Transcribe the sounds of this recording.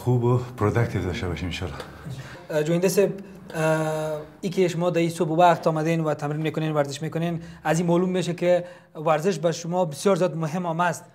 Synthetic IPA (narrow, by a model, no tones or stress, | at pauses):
xubʊpɾod̪ak̚t̪ʰed̪ɔʃtabɔʃimɪnʃɔ̰lɔ | d͡ʒoind̪aseb̚ | ikɪʃʊmɔd̪aisobwaqt̪ɔmad̪enwat̪ʰamɾinmeːkʊnenwaɾzɪʃmekʊnenazimɔlumːeʃ̬akɪ | waɾzɪʃ̬baʃʊmɔbɪsjɔɾzjɔd̪mʊɦɪmɔmast̪